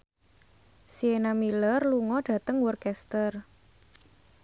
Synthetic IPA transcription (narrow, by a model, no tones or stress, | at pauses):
sienamilərluŋɔɖ̥ä̤t̪əŋwɔrkɛst̪ər